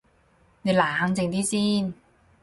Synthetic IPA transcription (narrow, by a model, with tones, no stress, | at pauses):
ne˨˧laː˨˦˥ŋt͡se˨˧ŋt̪ʰiː˥˩t͡siː˧˥˩n